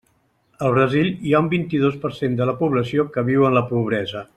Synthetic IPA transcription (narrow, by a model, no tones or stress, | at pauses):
əlˠβɾəziʎiaumbint̪iðospəɾsend̪ələpuβləsiokəβiwənləpuβ̞ɾɛzə